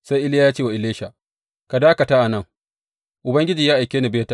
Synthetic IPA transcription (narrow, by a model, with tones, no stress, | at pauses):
sa˦jʔɪ˦lɪ˦ja˦jaː˦t͡ʃeː˦wa˨ɪ˨leː˦ʃa˨ | ka˨daː˦ka˨ta˦ʔa˨nɐ˦˨ŋ | ʔʊ˨bɐ˦ŋɡʲɪ˦d͡ʒi˨jaː˦ʔa˨jkʲeː˦nɪ˨beː˦ta˦